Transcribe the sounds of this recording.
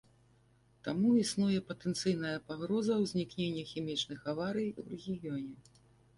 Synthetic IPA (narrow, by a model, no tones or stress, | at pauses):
t̪amuisnujɛpɐt̪ɛnt̪sɨjn̪ɐjɐpaɣɾɔzɐwzʲnʲiknʲenʲːɐxʲɛmʲit͡ʂnɨxavaɾɨjwrɛɣʲijɔnʲɛ